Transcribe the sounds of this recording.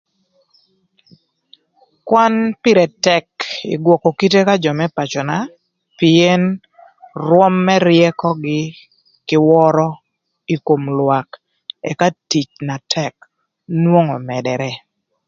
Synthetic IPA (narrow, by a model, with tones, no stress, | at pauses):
kwa˦npɪ˦ɾɛ˨tɛ˦kɪ̰˨ɡwɔ˨kɔ˨ki˦te˦ka˦d͡ʒɔ˨mɛ˦pa˨t͡ʃɔ˨na˨ | pie˦n | ɾwɔ˦mːɛ˦ɾjɛ˦kɔ˦ɡɪ˦ | kɪ˦wɔ˦ɾɔ˦ | i˦ko˨mlwa˨k | ɛ̰˨ka˦ti˨t͡ʃna˨tʰɛk | nwo˦ŋɔ˨mɛ˨dɛ˨ɾɛ˦